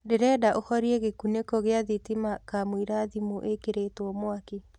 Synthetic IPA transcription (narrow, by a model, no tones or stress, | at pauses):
deɾɛːdaʔohɔɾieɣekunekoɣeaðitimakamwiɾaðimoʔekeɾetwɔmwake